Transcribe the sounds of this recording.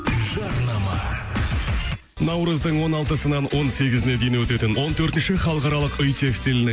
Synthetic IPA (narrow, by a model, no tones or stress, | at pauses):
ʒɑɾnɑmɑ | nɑwɾəzd̪əɴwo̞nɑlˠt̪əsənɑnwo̞nse̞ɡʲɪzɪne̞d̪ejnewɵt̪e̞t̪ɪnwo̞nt̪ʰɵɾt̪ɪnʃɪχɑlˠəqɑɾɑlˠəqʏjt̪ʰe̞kst̪ilɪnɪ